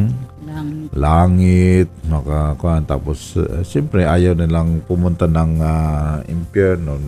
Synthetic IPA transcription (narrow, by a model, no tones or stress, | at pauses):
laŋɪt̪̚makakuant̪a̰pʊssimpɾɛɦajonelaŋpumunt̪ənaŋ | ḭmpiəno